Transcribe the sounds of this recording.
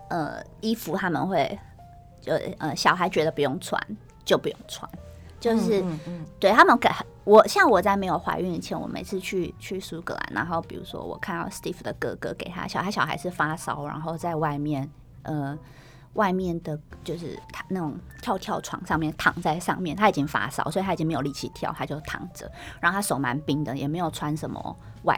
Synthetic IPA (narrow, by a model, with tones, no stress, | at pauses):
ʔə̰˧˩ | i˦˥fu˧˥t̪ʰa˥mə̰˨nxwe˥˩ɪ | t͡ɕjo˥˩ʂ̩˥˩ʔə˩ɕjɑ˨˩ʊxa˧˥ɪt͡ɕɥɛ˧˥d̪ə˧pu˧jo˥˩ŋt͡sʰwa̰˧˥˦n | t͡ɕjo˥˩ʊpu˧˥jo˥˩ŋt͡sʰwa̰˧˦n | t͡ɕjo˥˧ʊʂɻ̩˥˩t̪we˥˩ɪt̪ʰa˥mə˨nka˨˩ | wɔ˨˩ɕjɑ˥˩ŋwɔ˨˩t͡sa˥˩me˧˥ɪjo˨˩ʊxwa̰˧˥ɪy˥˧n˨˩t͡ɕʰjɛ˥nwɔ̰˨˩mḛ˨ɪt͡sʰɹ̩˥˧t͡ɕʰy˥˧t͡ɕʰy˥˩su˥kɤ̰˧˥la̰˨˥nʔa̰˧˥nxo˥˩ʊpi˨˩ɻṵ˧˥ʂwɔ̰˦˥wɔ̰˨˩kʰa˥˧nɑ˥˩ʊst̪i˥˩fd̪ə˩kɤ̰˧˥kɤ̰˧˥ke˨˩ɪt̪ʰa̰˦˥ɕjɑ˨˩ʊxa˧˥ɪɕjɑ˨˩ʊxa̰˧˥ɪʂ̬̩˥˩fa˦˥sɑ˥ʊɻa̰˧˥nxo˥˧ʊt͡sa˥˧ɪwa˥˧ɪmjɛ˥˨˩n | ʔə˨˩ | wʔa˥˧ɪmjɛ˥˩nd̪ə˩t͡ɕjo˥˧ʊʂɻ̩̰˥˩t̪ʰa˥na˥˩ʈ͡ʂo˨˩ŋt̪ʰjɑ˥˧ʊt̪ʰjɑ˥˧ʊʈ͡ʂʰwɑ̰˧˥ŋʂɑ˥˧ŋmjɛ˥˨˩nt̪ʰɑ̰˨˩˦ŋt͡sa˥˧ɪʂɑ̰˥˧ŋmjɛ˥˩nt̪ʰa˥i˨˩t͡ɕi˦˥ŋfa̰˥sɑ̰˥ʊswɔ˧˥˨t̪ʰa˥˨t͡ɕi˥ŋme˧˥jo˨˩li˥˩t͡ɕʰḭ˧˩t̪ʰjɑ˥˩ʊt̪ʰa˥t͡ɕjo˥˧ʊ˩t̪ʰɑ̰˨˩ŋd͡zə̰˨˦ɻa˧˥˩a˥ʂo˨˩ʊma̰˧˥npi˦˥ŋd̪ə˨jɛ̰˨˩me˧˥ɪjo˨˩ʊt͡sʰwa˥nʂə˧˥mə̰˧ | wa̰˥˧